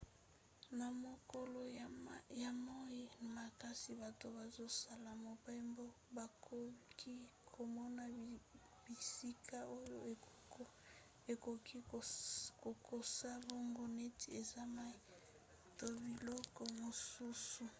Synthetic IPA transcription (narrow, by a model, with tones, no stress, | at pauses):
na˨mo˨ko˦lo˨ja˨mo˦ji˦˨ma˨ka˦si˨ba˨to˨ba˨zo˦sa˨la˨mo˨pa˦mbo˦ | ba˨o˦ki˦kʰo˨mɔ˦na˨ | b̥i˨si˦ka˦o˦jo˦e˨˦ | e˨ko˨ki˦ | ko˨ko˨sa˦bo˦ŋɡo˦ne˦ti˨e˨za˦ma˦˨ | to˨bi˨lɔ˦kɔ˨mo˨su˦su˨